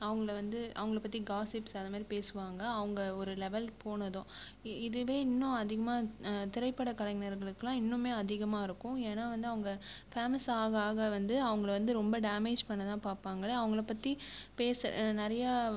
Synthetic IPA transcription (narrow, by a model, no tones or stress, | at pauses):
ɐʋɐŋɡɐɭʋɐnd̪ɯʔɐ̰ʋɐŋɡɐɭɐpːɐt̪ːiɡaːsɪpsɐðɐmaːd̪ɾipeːsɯʋaːŋɡɐːʋɐŋɡɐɔɾɯlɛʋɛlpoːnɐðʊ̃ | ɪðɯʋeːɪnːʊ̃ɐðɪɣɐmaːt̪ɪɾɐɪpːɐɽɐkɐlɐŋɪnɐɾɣɐɭɯkːɯlãːɪnːʊ̃meːɐðɪɣɐmaːɪɾɯkːʊ̃eːnaːʋɐnd̪ɯɐʋɐŋɡɐfaːmɐsaːɣaːɣɐʋɐnd̪ɯɐʋɐŋɡɐɭʋɐnd̪ɯɾɔmbɐɖaːmeːd͡ʒpɐɳːɐðãːpaːɾpaːŋɡɐɭɐʋɐŋɡɐɭɐpːɐt̪ːipeːsnɐɾɐja